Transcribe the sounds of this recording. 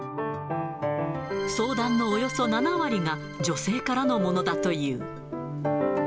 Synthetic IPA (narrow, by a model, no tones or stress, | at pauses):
so̞ːd̪ãnːo̞ːjo̞so̞nanaβaɾʲiŋa | d͡ʑo̞se̞ːkaɾano̞mo̞no̞d̪at̪o̞jɯ̟ː